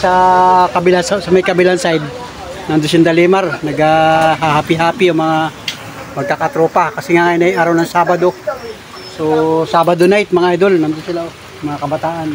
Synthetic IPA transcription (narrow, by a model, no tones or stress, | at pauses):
sɐkɐbɪlansasɐmɐjkɐbɪlansajd̪̚ | nɐnd̪osɪnd̪ɐlimaɾnɐɡaɦahapɪɦaːpɪjomɐŋa | mɐɡ̚kakat̪ɾoːpakɐsɛŋaŋajnajʔaɾawnɐŋsaːbad̪o | sosaːbad̪onajt̪̚mɐŋaajd̪olnand̪onsɪlao | mɐŋakɐbɐt̪aːʔan